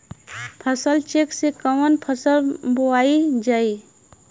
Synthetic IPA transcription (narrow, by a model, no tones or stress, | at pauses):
pʰəsəlt͡ʃeksekəmənpʰəsəlboaid͡ʒai